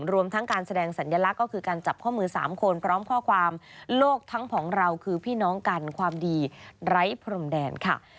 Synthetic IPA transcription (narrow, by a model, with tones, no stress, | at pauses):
ɾu˧əmt̪ʰa˦˥ŋkaː˧nsa˧dɛː˧ŋsa˩˦njaː˧la˦˥kːɔː˥˩kʰɯː˧kaː˧nt͡ɕa˨˩p̚kʰɔː˥˩mɯː˧sa̰ː˩˦mkʰo˧npʰɾɔː˦˥mkʰɔː˥˩kʰwaː˧mloː˥˩k̚t̪ʰa˦˥ŋpʰɔː˩˦ŋɾa˧wkʰɯː˧pʰiː˥˩nɔː˦˥ŋka˧nkʰwaː˧mdiː˧ɾa˦˥jpʰɾo˧mdɛː˧nkʰa˥˩